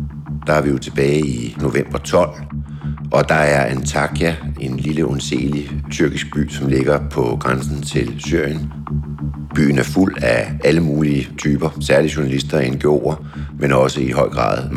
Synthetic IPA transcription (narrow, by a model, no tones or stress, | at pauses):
d̥ɑ̈æɐʋijo̝t͡sʰe̝b̥ɛːɪino̝ʋem̰b̥ɐt͡sʰɒ̽l̰ | ʔɒ̽d̥ɑ̈æɐʔænt͡sʰɑ̈ɡ̥ʰjæe̝nliləʔɔnse̝̰ːlit͡sʰyɐɡ̥isɡ̥̚b̥y̰ːsɒ̽mle̝ɡ̥ɐpʰɒ̽ɡ̥ʁansn̩t͡sʰe̝lsy̰ɐ̰jən | b̥y̰ːn̩æɐful̰ææləmuːliət͡sʰyːb̥ɐsæɐliɕuɐnælisd̥ɐenɡ̥o̝̰ːɐ | menɒ̽səiɦɒ̽ɪ̰ɡ̥ʁɑ̰̈ːðˠ